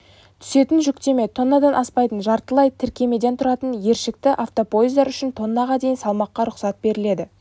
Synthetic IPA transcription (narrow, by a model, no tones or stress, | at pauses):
t̪ʰʏ̥se̞t̪ɪnʒʏkt̪e̞me̞t̪ʰo̞nːɑd̪ɑnʔɑspɑjt̪ənʒɑɾt̪əlˠɑjt̪ʰɪɾkʲe̞me̞d̪e̞nt̪ʰʊɾɑt̪ənje̞ɾʃɪk̚t̪ɪʔaft̪o̞pʰo̞izd̪ɑɾʏʃɪnt̪ʰo̞nːɑʁɑd̪e̞jɪnsɑlˠmɑqːɑɾʊqsɑt̪̚be̞ɾɪle̞d̪ɪ